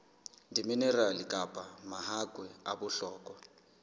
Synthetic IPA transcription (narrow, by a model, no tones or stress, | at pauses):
ndiminɛralikʼapʼamahakʼwɛabʊɬɔːkʼɔ